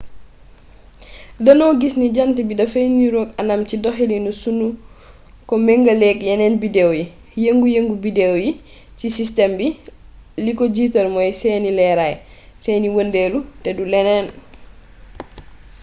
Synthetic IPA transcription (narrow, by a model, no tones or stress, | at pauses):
dɐnɔwɡisniɟantibidɐfejniɾoːkanamcidɔɦilinusunu | kɔmɛŋɡɐlɛkjɛnɛnbidɛwji | jeŋɡujeŋɡubidewji | cisistɛmbi | likɔɟiːtɐlmɔjsɛːnilɛɾaj | sɛːniwəndelutɛdulɛnɛːn